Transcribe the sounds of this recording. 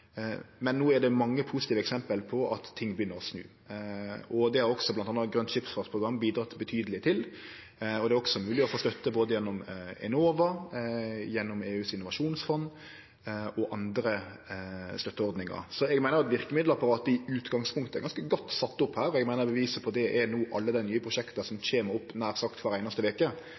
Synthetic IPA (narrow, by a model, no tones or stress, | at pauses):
mɛnːuːɛd̪ɛmɑŋːəpʰusɪ̥t̪iːʋəɛksɛmpəlpʰɔʔɑt̪tʰːɪŋːbjʏnːəɾɔsnʉ̰ː | ɔd̪ɛhɑɾɔksɔblɑnt̪ɑnɑɡɾœnʃɪpsfɑːpʰʁʊɡɾɑmːbiːd̪ɾɑt̪bət̪ʰyːd̪əlɪt̪ʰɪl | ɔd̪ɛæɾɔksɔmʉːlɪɔfoːst̪œt̪ːəboːd̪əjɛnːɔmɛ̰noːʋəɾ | jɛnːɔmeːʉːsɪnːʊʋɑʃuːnsfɔn | ɔʔɑnd̪ɾə | st̪œt̪ːəɔɾd̪nɪŋɑ̰ɾsɔɛɡmæɪnəɾjɛt̪ʋɪʁkəmɪd̪lɑpɑɾɑːt̪əɪʉːt̪ɡɑŋspʰʊŋkt̪əɛɡɑnskəɡɔt̪ːsɑt̪ːʊphæːɾɔɛɡmæɪnəbəʋiːsəpʰɔd̪ɛʔɛnuːʔɑlːəd̪ɛɪnyːəpʰʁʊʃɛkt̪əsɔmt͡ɕeːməɾʊpːnæːɾsɑkt̪fɑɾæɪnəst̪əʋeːkə